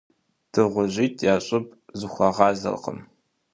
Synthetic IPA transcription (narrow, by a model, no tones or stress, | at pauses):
d̥ʰɨʁʷʊʑiːtʰjaːɕʼɪpʰʼzɨxʷɑʁɑːzɐ̰rqə̰m